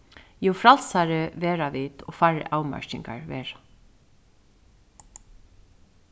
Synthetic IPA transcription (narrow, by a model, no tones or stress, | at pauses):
juːfɾalsaɾɪʋɛːɾaʋiːt̪ɔ̰ːfaːɹɪ̰ʔawma̰ɹt͡ʃɪŋka̰ɹʋɛːɹḁ